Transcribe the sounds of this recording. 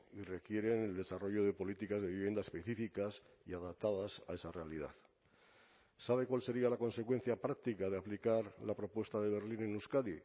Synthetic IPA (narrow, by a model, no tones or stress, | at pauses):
ire̞kje̞ɾe̞neld̪e̞saro̞ʝo̞ð̞e̞po̞lit̪ikazðe̞βiβe̞naespe̞θifikas | iaðap̚t̪að̞asa̰e̞sare̞alið̞a̰ð | saβ̞e̞kwalse̞ɾialako̞nse̞kwe̞nθjapɾak̚t̪ikað̞eaplikaɾlapɾo̞pwe̞st̪aðe̞β̞e̞ɾlinenuskaði